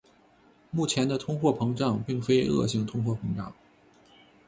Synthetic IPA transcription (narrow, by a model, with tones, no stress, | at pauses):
mu˥˩t͡ɕʰjɛ˧˥nd̪ə˧t̪ʰʊ˥ŋxwɔ˥˩pʰɤ˧˥ŋʈ͡ʂɑ˥˧ŋpi˥˩ŋfe˥ɪɤ̰˥˧ɕi˥˩ŋt̪ʰʊ˥ŋxwɔ˥˩pʰɤ˧˥ŋʈ͡ʂɑ̰˥˩˦ŋ